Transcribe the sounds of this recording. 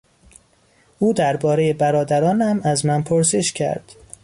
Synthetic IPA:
ʔuːd̪æɾbɒːɾe̞je̞bæɾɒːd̪æɾɒːnæmæzmænpʰoɾse̞ʃcʰæ̰ɾd̪̥

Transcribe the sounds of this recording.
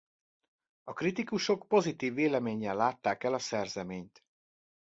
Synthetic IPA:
ɒkrit̪ikuʃo̞kpo̞zit̪iːvːeːlɛmeːɲːɛlːaːt̪ːaːkɛlɒsɛrzɛmeːɲt̪

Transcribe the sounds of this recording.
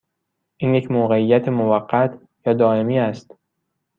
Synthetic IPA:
ʔiːnjecʰmoːɣeijːæt̪ʰemovæɢːæt̪ʰ | jɒːd̪ɒːemiːæst̪

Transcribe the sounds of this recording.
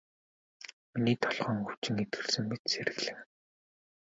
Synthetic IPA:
miniːt̪ʰɔɮχœːŋxu̥t͡ɕɪ̆ŋet̪̚ɡɘ̆ɮsɘ̆ŋmet̪seɾɘ̆ɣɮɘ̆ː

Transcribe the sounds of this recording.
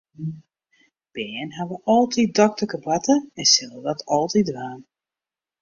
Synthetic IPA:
b̥ɛːnɦaʋəʔɔlˠtʰit̚dɔk̚təkəbatəɛnsɛlˠədɔtʰɔlˠtidʋaːn

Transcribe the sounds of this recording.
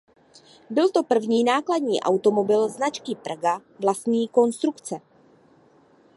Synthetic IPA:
bɪlt̪o̞pr̩vɲiːnaːkladɲiːʔa̰wt̪o̞mo̞bɪlznat͡ʃkɪpraɡavlast̪ɲiːko̞nst̪ɾukt͡sɛ

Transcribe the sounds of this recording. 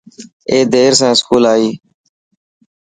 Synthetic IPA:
eːd̪eːɾsãːɪskuːlaːiː

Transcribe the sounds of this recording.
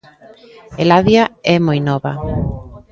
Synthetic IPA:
elaðjaɛmojnɔβa̰

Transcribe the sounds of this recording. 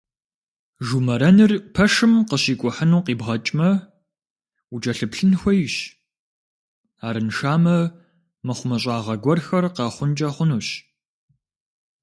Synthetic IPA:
ʒumɐɾɐnɨrpʰɐʂɨmqəɕiːkʷʼʊħənuːqiːbʁɐt͡ʃʼmɐ | ud͡ʒɐɬɨpɬɨnxʷɔjɪɕ | aːɾɨnʂaːmɐ | mɐχʷʊmɐɕ̬ʼaːʁɐɡʷɔrxɐrqɑːχʷʊnd͡ʒʼɐχʷʊnuːɕ

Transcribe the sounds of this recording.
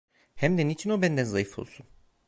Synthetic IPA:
hæmd̪ɛnit͡ʃʰinobænd̪ænzajɯfo̞̰lˠsun

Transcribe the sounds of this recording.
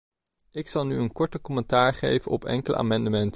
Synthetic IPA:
ɪksɑlˠnyənkɔɹtəkɔmɛntaːɹχḛjvənɔpɛ̰ŋkələ̰ʔa̰ːmɑndəmɛnt

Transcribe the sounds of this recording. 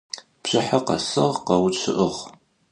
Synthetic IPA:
pɕɨħaqɐ̰sɨʁqɐwt͡ʃʰɨʔəʁ

